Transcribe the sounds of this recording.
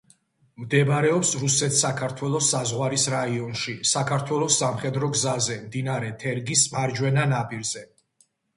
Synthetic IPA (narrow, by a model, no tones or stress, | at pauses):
md̪ɛbaɾɛɔpsɾusɛt̪sakʰaɾt̪ʰwɛlˠɔsːazʁwaɾisɾaiɔnʃisakʰaɾt̪ʰwɛlˠɔsːamχɛd̪ɾɔɡzazɛmd̪inaɾɛt̪ʰɛɾɡismaɾd͡ʒwɛnanapʼiɾz̥ɛ